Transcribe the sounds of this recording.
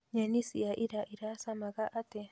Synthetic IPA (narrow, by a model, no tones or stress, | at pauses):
ɲanisiaʔiɾaʔiɾasamaɣaʔatɛ